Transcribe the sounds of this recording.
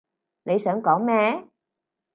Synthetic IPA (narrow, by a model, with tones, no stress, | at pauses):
le˨˦jsəː˨˦kɔː˨˦mɛ˧˩